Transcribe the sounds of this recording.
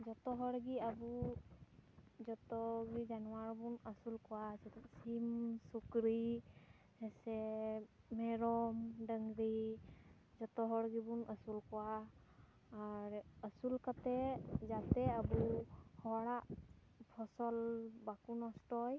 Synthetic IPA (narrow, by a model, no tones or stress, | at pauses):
d͡ʒɔt̪ɔɦɔɾɡiabu | d͡ʒɔt̪ɔɡizanɔwaɹbunəsulkɔwasɛt̪ʰatsimsukɾi | hɛsɛ | mɛɾɔmɖəŋɡɾi | d͡ʒɔt̪ɔɦɔɽɡibunʔəsulkɔwaː | ɾəsulkat̪ɛzat̪ɛabuhɔɽaʔ | pʰɔsɔlbakunɔstɔj